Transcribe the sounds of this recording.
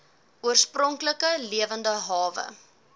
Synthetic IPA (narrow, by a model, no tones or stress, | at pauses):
uərsprɔŋkləkəliəvəndəɦɑːvə̰